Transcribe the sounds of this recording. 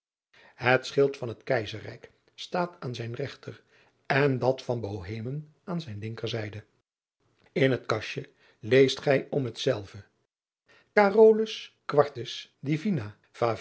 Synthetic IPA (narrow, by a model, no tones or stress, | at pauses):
ɦətsχɪlˠtfɑnɦətkɛjzərɛ̰jk | staːtaːnzɛjnrɛχtər | ɛndɑtfɑnbowɦejmən | aːnzɛjnlɪŋkəɹzɛjdə | ɪnɦətkɑʃə | lejstχɛjɔmɦətsɛlˠvə | kaːroːləskʋɑɹtəsdivina | v̥aː